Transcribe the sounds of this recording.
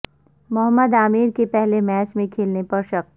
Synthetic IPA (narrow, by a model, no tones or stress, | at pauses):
mʊɦəmːəd̪aːmiːɾkepɛɦlemɛːt͡ʃmẽkʰeːlnepɐɾʃɐk̚t̪